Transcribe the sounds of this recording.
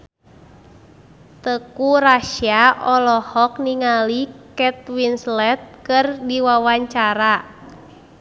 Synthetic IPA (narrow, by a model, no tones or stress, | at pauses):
t̪əkuɾaʃiaʔɔlɔhɔk̚niŋalikɛt̪̚winslɛt̪̚kɨrdiwawaɲt͡ʃaɾa